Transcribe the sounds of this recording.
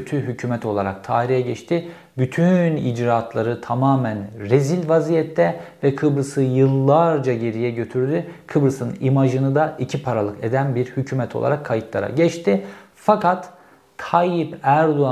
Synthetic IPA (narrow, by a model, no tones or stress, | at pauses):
øt̪ʰyɦycʰyːmɛt̪ʰo̞lˠaɾa̰k̚t̪ʰaːiɾijɛɟɛt͡ʃt̪ʰɪ | byt̪ʰynḭd͡ʒɾaːt̪ʰlˠaɾɯt̪ʰamaːmænɾezilʲvazijɛt̪ʰːɛvɛkʰɯbɾɯsɯjɯlˠːaɾd͡ʒaɟe̞ɾijɛɟø̞t̪ʰyɾd̪ykʰɯbɾɯsɯnimaʒɯnɯd̪aʔicʰipʰaɾalˠɯked̪ænbiɾhycʰyːmɛt̪ʰo̞̰lˠa̰ɾakʰːajɯt̪lˠa̰ɾa̰ɟɛt͡ʃt̪ʰɪ | fakʰat̪ʰː | ajipæɾd̪oa